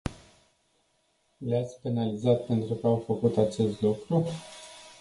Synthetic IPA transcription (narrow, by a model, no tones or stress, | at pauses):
leat̪sʲpe̞nalizat̪pe̞nt̪ɾukəawfəkut̪at͡ʃe̞st̪lukɾu